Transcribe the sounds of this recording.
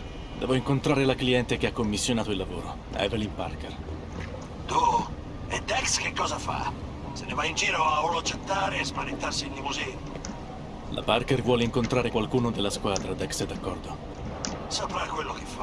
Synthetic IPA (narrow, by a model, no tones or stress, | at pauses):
d̪ɛːvoiŋkont̪ɾaːɾelakliɛnt̪ek̟eakːomːisːjonaːt̪oilːavoːɾo | ɛ̰velimpa̰rker | t̪u | ɛd̪ɛkskekːɔːzafa̰ | senevaind͡ʒiːɾoavoloat͡ʃːet̪ːaːɾeespaɾent̪arsiːnd̪ipuzɛno | lʔa̰parkervwɔːleiŋkont̪ɾaːɾekwalkuːnod̪elːaskwaːd̪ɾad̪ɛksɛd̪akːɔrd̪o | sapɾakːwelːokefːa